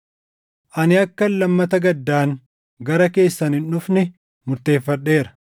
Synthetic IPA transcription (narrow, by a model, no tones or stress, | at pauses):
ʔɐnɪɐkːɐnlɐmːɐt̪ɐɡɐd̪ːaːŋ | ɡɐɾɐke̞ːsːɐnhɪnʊfnɪ | mʊɾt̪e̞ːfːɐᶑːe̞ːɾɐ̥